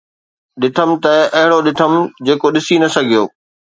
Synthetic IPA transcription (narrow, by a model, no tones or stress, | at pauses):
ɗɪʈ̪ʰəmt̪ɐɐɦɪɽoɗɪʈʰəmd͡ʑeːkoɗɪsinɐsɐɡʱijoː